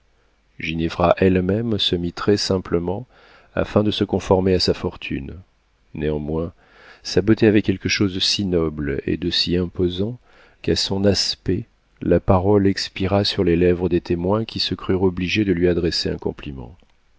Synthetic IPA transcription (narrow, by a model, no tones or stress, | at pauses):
ʒinevʁaʔɛlmɛmsəmit̪χɛsɛ̃pləmɑ̃ | a̰fɛ̃d̪əsəkɔ̃fɔʁmeasafɔʁt̪ʰy̰n | neɑ̃mwɛ̃ | sabot̪eavɛkʲɛlkəʃozd̪əsinɔblḛd̪əsiɛ̃pozɑ̃ | kasɔ̃naspɛ | lapaʁɔlɛkspiʁasyʁlelɛvʁəd̪et̪emwɛ̃kʲisəkχyʁɔbliʒed̪əlɥiad̪ʁɛseɛ̰̃kɔ̰̃plimɑ̰̃